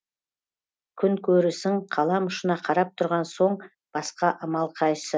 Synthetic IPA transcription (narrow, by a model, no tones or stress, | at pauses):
kʲʰʏŋkʲʰɵɾɪsɪŋqʰɑlˠɑmʊʃənɑqʰɑɾɑp̚t̪ʰʊɾʁɑnso̞ɴ | b̥ɑsqɑʔɑmɑlˠqʰɑjsə